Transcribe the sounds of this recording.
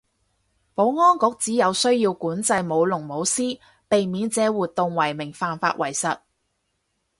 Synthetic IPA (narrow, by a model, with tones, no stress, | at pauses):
po˨˥wŋɔː˥nkɔː˨˥k̚t͡siː˨˥jɐ˨˧wsɵ˥ɥjiː˧wkuː˨˥nt͡sɐ˧jmo˨˧wlʊ˨˩ŋmo˨˥wsiː˥ | pe˨jmiː˨˧nt͡sɛː˨˧˥wuː˨t̪̚ʊ˨˧ŋwɐ˨˩jmɪ˨˩ŋfaː˧nfa̰ː˧t̚wʔɐ˨˩jsɐ˨t̚